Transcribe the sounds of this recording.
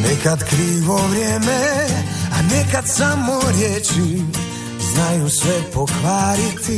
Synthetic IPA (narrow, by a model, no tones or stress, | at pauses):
nɛkad̪kɾiːʋovɾjɛmɛ | anɛkad̪samoɾjɛt͡ʃi | znajusʋɛpokʋaːɾit̪ʰi